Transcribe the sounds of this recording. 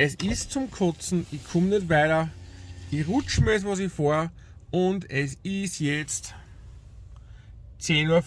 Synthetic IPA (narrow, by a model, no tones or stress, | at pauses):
ʔɛsɪstt͡sʊmkʰʊt͡sn̩ɪçkʰʊmnɛtvaɪɾɐ | ɪçʁʊt͡ʃmɛs̬ʋɑs̬ɪçfoːɐ | ʊndɛsɪstjɛt͡st | t͡seːnuːɐf